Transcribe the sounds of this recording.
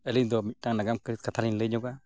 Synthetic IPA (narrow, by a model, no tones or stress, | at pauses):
ɛlind̪ɔmic̚ʈaŋnaɡamkɾit̪̚kat̪ʰalinleɲɔɡa